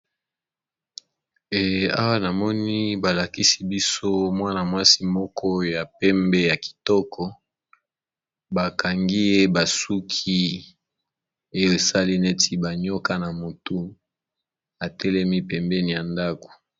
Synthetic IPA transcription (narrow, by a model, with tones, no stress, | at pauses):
e˨a̰˦wa˦na˨mɔ˦ni˦ba˨la˨ki˦si˦bi˦so˦mwa˦na˨mwa˦si˦mɔ˦kʰɔ˦ja˨pɛ˦mbɛ˦ja˨ki̥˨tɔ˦kʰɔ˨ | ba˨ka˨ŋɡi˦e˦ba˨su˦kʰi˦ | e˦jo˦e˨sa˦li˦ne˦tʰi˦ba˨ɲo˦ka˦na˨mo˨tu˦ | a˨tɛ˦lɛ˦mi˦pɛ˨mbɛ˦ni˨ja˨nda˦ko̥˨